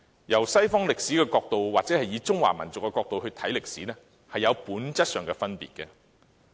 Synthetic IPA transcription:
jɐ˨˩wsɐ˥jfɔː˥ŋlɪ˨ksiː˨˥kɛː˧kɔː˧k̚t̪o˨wwaː˨k̚t͡sɛː˨˥hɐ˨jiː˨˧t͡sʊ˥ŋwa̰ː˨˩mɐ˨˩nt͡sʊ˨kːɛ˧kɔː˧k̚t̪o˨whɵ˧ɥt̪ʰɐ˨˥jlɪ˨k̚siː˨˥nɛ˥ | hɐ˨jɐ˨˧wpuː˨˥nt͡sɐ˥t̚sœː˨˩ŋkɛː˧fɐ˥npḭː˨t̚kɛ˧

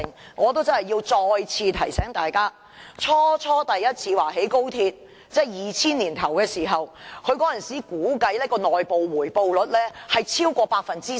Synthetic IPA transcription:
ŋŋɔː˨˧t̪̬o˥wt͡sɐ˥nhɐ˨ji˧wt͡sɔː˧jt͡sʰiː˧t̪ʰɐ˨˩jsɛː˨˥ŋt̪aː˨jkaː˥ | t͡sʰɔː˥t͡sʰɔː˥t̪ɐ˨jːɐ˥t̚t͡sʰiː˧waː˨˩ɦe˨˥jko˥wt̪ʰiː˧t̚ | t͡sɛː˥jiː˨t͡sʰiː˥nliː˨˩nt̪ʰɐ˨˩wkɛː˧siː˨˩ɦɐ˨wkʰɵ˨˧ɥkɔː˨˥jɐ˨˩nsiː˨˥kuː˨˥kɐ˨˥jlɛː˥kɔː˧nɔː˨jpo˨wwuː˨˩jpo˨wlɵ˨˥t̚lɛː˥hɐ˨jt͡sʰiː˥wkʷɔː˧paː˧k̚fɐ˨nt͡siː˥

